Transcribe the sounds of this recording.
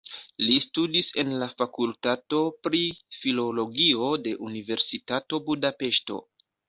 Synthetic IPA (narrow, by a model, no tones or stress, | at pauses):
listudise̞nlafakultato̞pɾifilo̞lo̞ɡio̞de̞ʔunive̞ɾsitato̞budape̞ʃto̞̰